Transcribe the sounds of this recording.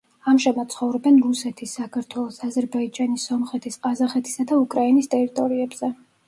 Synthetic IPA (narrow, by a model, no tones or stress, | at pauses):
amʒamat̪̚sʰχɔvɾɛbɛnɾusɛt̪ʰisːakʰaɾt̪ʰwɛlˠɔsazɛɾbaid͡ʒanisɔmχɛt̪ʰisqʼazaχɛt̪ʰi̥sad̪aukʼɾainist̪ʼɛɾit̪ʼɔɾiɛbz̥ɛ